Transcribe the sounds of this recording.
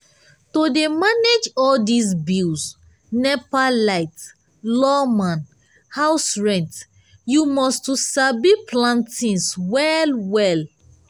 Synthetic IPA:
todemaned͡ʒɔldis̬bils | nɛpalaɪt | lɔmãn | haʊsɹɛ̃nt | jumɔstusabipʰlãntĩnswɛlwɛl

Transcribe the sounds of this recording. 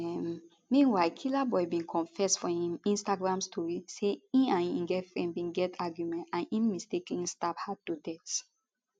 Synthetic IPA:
ɛm | mĩnwajkʰilabɔjbĩnkʰɔ̃nfɛsfɔhĩmĩnstaɡɹãmstʰɔɹiseĩnãnḭ̃ŋɡɛfɛ̃mbĩnɡɛtʰaɡjumɛ̃ntãnĩnmisteklĩstaphad̚tudɛt

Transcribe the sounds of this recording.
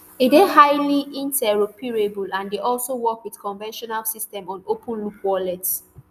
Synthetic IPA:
edeɦaɪliĩntɛɹopiɹebulãndeʔɔlsowɔkwiðkɔ̃ɱvɛ̃nʃɔnalsistɛ̃mɔ̃nopʰũnlukwɔlɛts

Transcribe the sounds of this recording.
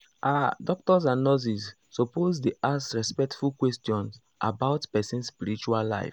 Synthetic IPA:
adɔk̚tɔzãnːɔzisː | ɔpozdeʔasɹɛspɛk̚tfulkwɛstiɔ̃ns | ʔa̰baʊtpɛsĩnspiɾit͡ʃualla̰ɪf

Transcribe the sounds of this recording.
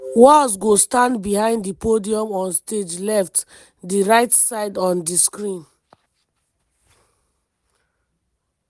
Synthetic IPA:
wɔsɡostãndbihãɪ̃nddipodiɔ̃mɔ̃nsted͡ʒlɛft | diɹaɪtsaɪdɔ̃ndiskɹĩn

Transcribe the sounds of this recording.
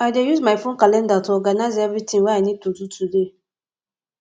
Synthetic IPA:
ajdejuzmajfõnkalɛ̃ndatɔɡanaɪzevɾitĩŋwaanid̚tututʰude

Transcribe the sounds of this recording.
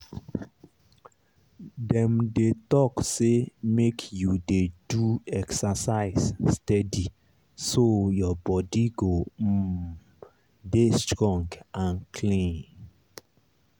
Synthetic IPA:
dɛ̃mdetɔksemekʰjudeduɛksasaɪsstɛdi | sojɔbɔdiɡo | destɹɔ̃ŋɡãnkʰlĩn

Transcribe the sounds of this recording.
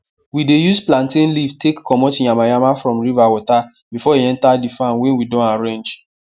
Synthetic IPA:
widejuzplãntĩnlivtekːɔmɔtjamajamafɹɔ̃mɹivawɔta | bifɔeɛ̃ntadifãnwɛ̃nwidɔ̃naɾẽnd͡ʒ

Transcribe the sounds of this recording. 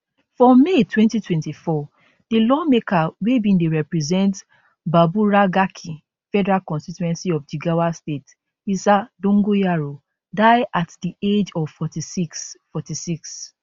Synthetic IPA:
fɹɔ̃mːetwɛ̃ntitwɛ̃ntifɔ | d̥ilɔmekawebĩndeɹɛpɹɛzɛ̃nt | babuɹaɡakʰi | fɛdɛɹalkɔ̃nstituɛ̃nsiɔfd͡ʒiɡawastet | isadõŋɡojaɹo | daɪatdied͡ʒɔvfɔtisiksfɔtisiks

